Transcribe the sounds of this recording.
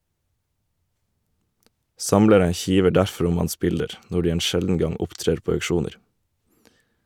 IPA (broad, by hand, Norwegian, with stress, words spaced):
ˈsɑmləɾə ˈçiːʋə ˈɖæɾfɾ ˈʊm ˈɑns ˈbɪldəɾ ˈnɔ ˈɖiː ˈeːn ˈʃɛldn̩ ˈɡɑŋ ˈʊpˌtɾeːɾ ˈpoː ɑʉkˈʃuːnəɾ